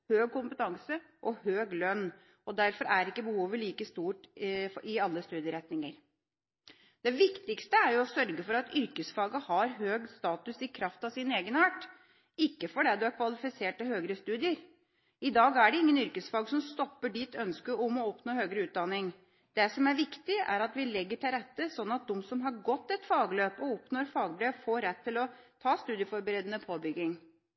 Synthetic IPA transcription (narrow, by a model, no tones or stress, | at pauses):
høːɡ̚kʊmpət̪ʰɑŋsə | ʔɔhøːɡlœnː | ɔd̪æɾfɔɾæɾɪkːəbəhuːʋəɭiːkəst̪uːʈɪɑlːəst̪ʉːd̪ɪəɾɛt̪nɪŋəɾ | d̪̥ɛʋɪkt̪ɪkst̪əæɾjʊɔsœɾɡəfɔɾɑt̪ʏɾkəsfɑːɡəhɑɾɦøːɡst̪ɑːt̪ʉsɪkʰɾɑft̪ɑʋsɪneːɡənɑːʈ | ɪkːəfɔɖɛd̪ɛæɾkʰʋɑlɪfɪseːʈɪlhøːɡəɾəst̪ʉːd̪ɪəɾ | ɪd̪ɑːɡæɖɛɪŋːənʏɾkəsfɑːɡəsɔmst̪ɔpːəɖiːt̪ʰœnskəɔmɔɔpnoːhøːɡəɾəʉːt̪̚d̪ɑnɪŋ | d̪̥ɛsɔmæɾʋɪkt̪ɪæ̰ɾɑt̪ʋɪlɛɡːəʈʰɪlɾɛt̪ːəsɔnːɑt̪̚d̪ɔmsɔmɦɑɾɡɔt̪ːɛt̪fɑːɡløːpɔɔpnoɾfɑːɡbɾøːfoːɾɛt̪ʰːɪlɔt̪ʰɑːst̪ʉːd̪jəfɔɾbəɾeːd̪ənəpʰoːbʏɡːɪŋ